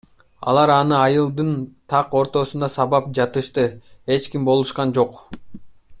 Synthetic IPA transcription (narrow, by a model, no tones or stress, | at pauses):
ɑ̰lˠɑɾɑnɯɑjɯlˠd̪ɯnt̪ʰɑqo̞ɾt̪o̞sund̪ɑsɑβɑp̚d͡ʒɑt̪ɯʃt̪ɯe̞t͡ʃkimbo̞lˠuʃqɑnd͡ʒo̞q